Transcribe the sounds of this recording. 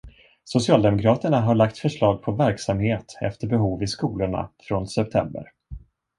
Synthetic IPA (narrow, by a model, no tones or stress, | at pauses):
sʊsɪɑːld̪ɛmʊkʰɾɑːt̪əɳaɦaɭakt̪fœʂlɑːɡ̚pʰɔvæɾksamheːt̪ɛ̰ft̪əɾbɛɦuːvɪskuːlʊɳa̰fɾɔnsɛp̚t̪ʰɛ̰mbə̰ɾ